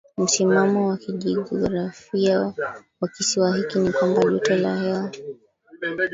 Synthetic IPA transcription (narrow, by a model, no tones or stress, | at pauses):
m̩simamɔwakiʄiʄɔɔɡɾafiawakisiwaɦikinikwambaʄutala̰hɛwa